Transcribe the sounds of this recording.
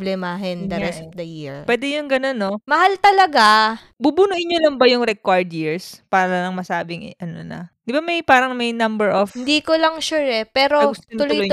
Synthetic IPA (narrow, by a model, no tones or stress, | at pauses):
blɛmaɦɛnd̪ɐɾɛsp̚d̪ɐjiɹwɛːd̪ɛjʊŋɡɐno̞nːomɐhalt̪ɐlɐɡa | bubunuʔɪɲːolɐŋbɐjʊŋɾɛkwaɹd̪jiɹspaːɾɐlɐlɐŋmɐsaːbɪŋʔɐno̰nɐ̰d̪ɪbamɐjpaːɾɐŋmɐjnɐmbɛɹʔofhɪnd̪iːkolɐŋʃuːɹɛpɛːɾoɡʊst̪nt̪ʊljloj